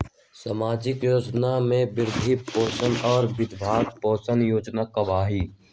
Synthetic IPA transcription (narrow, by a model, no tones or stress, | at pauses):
saːmaːd͡ʒɪkjoːd͡ʒnamẽbɪɾd̪ʱipoːsənɔːɾbɪd̪bʱaːɡ̚pɔːsənjoːd͡ʒnakɐʋaːɦiː